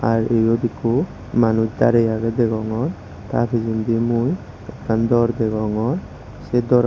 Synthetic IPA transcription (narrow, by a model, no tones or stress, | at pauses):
a̰ɾejɔd̪iku | manut͡ʃd̪a̰ɾejaɡɛd̪ɛɡɔŋɔn | t̪a̰tʰizund̪imuj | ɛ̰kːand̪ɔɾd̪ɛɡɔŋɔn | sed̪ɔɾ